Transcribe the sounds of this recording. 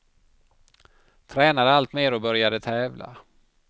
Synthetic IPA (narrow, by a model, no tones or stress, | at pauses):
t̪ʰɾɛːnad̪əalt̪meːɾɔbœɾjad̪ət̪ʰɛːvla̰